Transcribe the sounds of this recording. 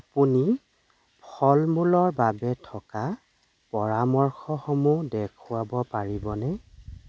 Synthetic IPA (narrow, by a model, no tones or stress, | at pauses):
apuni | pʰɔlmulɔɹbabɛtʰɔka | pɔɹamɔɹxɔxɔmudɛkʰʊwabɔpaɹibɔnɛ